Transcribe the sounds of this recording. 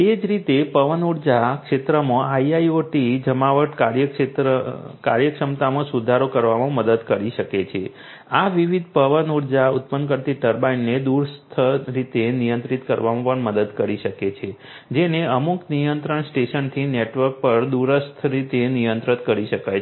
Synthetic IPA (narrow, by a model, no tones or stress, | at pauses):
ed͡ʒɾit̪epəʋənuɽd͡ʒakʃet̪ɾəmãaiaioʈid͡ʒəmaʋəʈkaɾjəket̪ɾəka̰ɾjəkʂəmt̪amãsud̪ʱaɾokəɾʋamãməd̪əd̪kəɾiʃəket͡ʃʰe | aʋiʋid̪̚ʱpəʋənuɽd͡ʒaut̪̚pənkəɾt̪iʈəɾbainːed̪uɾst̪ʰəɾit̪enijə̃nt̪ɾit̪kəɾʋamãpəɳməd̪əd̪kəɾiʃəket͡ʃʰe | d͡ʒeneəmuknijənt̪ɾəɳsʈeʃənt̪ʰineʈʋəɾk̚pəɾd̪uɾəst̪ʰɾit̪enijənt̪ɾət̪kəɾiʃəkaj